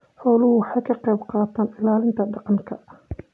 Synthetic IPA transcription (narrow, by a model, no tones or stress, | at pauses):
ħɔːlʊhʊwħaːkʰɐqɛjbqɑːt̪ʰaːnɪlaːlɪnt̪ʰɐɖɑqɑnkʰɐ